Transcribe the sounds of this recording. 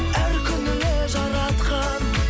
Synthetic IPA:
æɾkʲʰʏnɪleʒɑɾɑt̪qɑn

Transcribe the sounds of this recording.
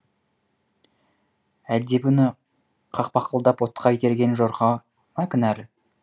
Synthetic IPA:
æld̪e̞pʏnɪ | qʰɑq̚pɑqəlˠd̪ɑpwot̪qʰɑit̪e̞ɾɡʲe̞nʒoɾqɑ | mɑkʲɪnæɾ

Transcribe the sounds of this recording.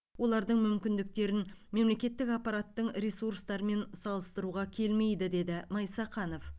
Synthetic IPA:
wo̞lˠɑɾd̪əɴmʏmkʲɪnd̪ɪk̚t̪e̞ɾɪnme̞mle̞kʲe̞t̪ːɪkapːɑɾat̪ːəɴɾesuɾst̪ɑɾəme̞nsɑlˠəst̪əɾuʁɑkʲʰe̞lme̞jd̪ɪd̪e̞d̪ɪmɑjsɑqɑno̞f

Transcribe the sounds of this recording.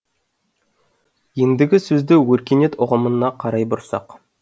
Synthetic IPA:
jend̪ɪɡʲɪsɵzd̪ɪwɵɾkʲe̞ne̞t̪ʊʁəmənːɑqʰɑɾɑjbʊɾsɑ̰q

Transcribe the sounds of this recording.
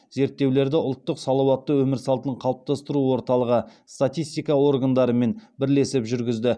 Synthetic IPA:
ze̞ɾt̪ːe̞wle̞ɾd̪ɪʊlˠt̪ːəqsɑlˠɑwɑt̪ːəwɵmɪɾsɑlˠt̪əɴqʰɑlˠəp̚t̪ɑst̪əɾuwo̞ɾt̪ɑlˠəʁəst̪at̪ijst̪ijkɑwo̞ɾɡand̪ɑɾəme̞nbɪɾle̞sɪpʒʏɾɡʲɪzd̪ɪ

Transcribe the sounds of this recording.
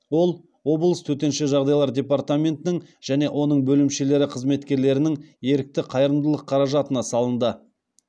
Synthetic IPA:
wo̞lˠ | wo̞blˠəst̪ʰɵt̪e̞nʃeʒɑʁd̪ɑjlˠɑɾdʲe̞part̪amʲe̞nt̪ɪnɪŋʒ̥æne̞ʔwʔo̞nəɴbɵlɪmʃe̞le̞ɾɪqʰəzme̞t̪kʲe̞ɾle̞ɾɪnɪŋje̞ɾɪk̚t̪ɪqʰɑjəɾəmd̪əlˠəqʰːɑɾɑʒɑt̪ənɑsɑlˠənd̪ə

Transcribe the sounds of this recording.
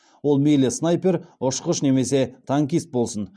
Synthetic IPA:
wo̞lˠmejlɪsnɑjpe̞ɾʊʃqəʃne̞me̞se̞t̪ʰaŋkʲist̪̚bo̞lˠsən

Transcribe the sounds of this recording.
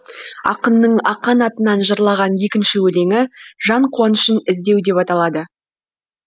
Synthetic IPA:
ɑ̰qənːəɴɑqːɑnɑt̪ənɑnʒəɾlˠɑʁɑnje̞kʲɪnʃɪwɵle̞ŋɪʒɑɴqʰuɑnəʃənɪzd̪ewd̪e̞pɑt̪ɑlˠɑd̪ə

